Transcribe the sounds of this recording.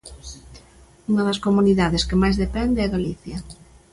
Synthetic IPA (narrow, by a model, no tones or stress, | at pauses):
uŋɐðɐskomuniðaðeskemajzðepɛnd̪eɛðoliθjɐ